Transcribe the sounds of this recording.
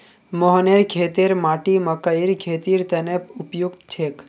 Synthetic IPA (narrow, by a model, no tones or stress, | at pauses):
mɔɦneɾkʰeːt̪eɾmaːʈimɐkəiɾkʰeːt̪iɾt̪enepʊpjuɡt̪t͡ʃʰeːk